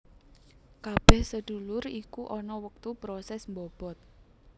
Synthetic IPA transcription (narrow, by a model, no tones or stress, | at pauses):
kab̥ɛhsəɖ̪̥ṳlʊrikuʔɔnɔwək̚t̪ubɾɔsɛsmbɔb̥ɔ̤t̪̚